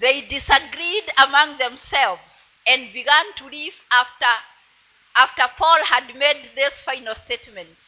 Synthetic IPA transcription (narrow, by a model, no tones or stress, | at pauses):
ðeɪdɪsəɡɹidəmʌ̃ŋðɛ̃msɛlˠvz̥ | ɨ̃nbiɡãntʰəlivaftə˞ | aftə˞pʰɔlˠhɨdmed̪̚ðɪsfãɪnəl̩ˠstetmɨ̃nt